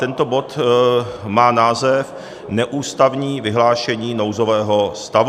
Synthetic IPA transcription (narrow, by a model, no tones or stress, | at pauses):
t̪ɛnt̪o̞bo̞t̪ | maːnaːzɛf | nɛʔuːst̪avɲiːvɪɦlaːʃɛɲiːnowzovɛːɦo̞st̪av